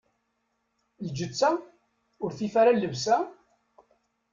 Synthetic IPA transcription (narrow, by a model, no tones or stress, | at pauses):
ld͡ʒət͡sːæ | ʊɾθifaɾalːəvsæ